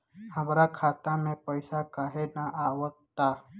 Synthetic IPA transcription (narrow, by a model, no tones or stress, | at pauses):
həmɾakʰaːt̪amẽpəɪsakaɦenaʔaːwət̪ːa